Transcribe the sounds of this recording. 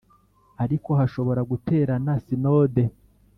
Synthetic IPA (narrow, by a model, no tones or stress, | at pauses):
aɾiko̞haʃo̞βo̞ɾaɡutʰe̞ːɾanasinoːde̞